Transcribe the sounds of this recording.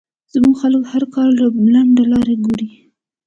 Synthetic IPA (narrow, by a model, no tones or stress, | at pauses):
z̥muɡxalkhaɾkɑlːablaɳɖalɑɾeɡoɽi